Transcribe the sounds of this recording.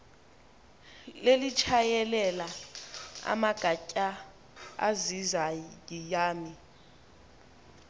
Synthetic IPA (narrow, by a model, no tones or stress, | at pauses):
lelit͡ʃʰajɛlɛla | a̰maɡ̥ʱacʼa | a̰zizajijaːmi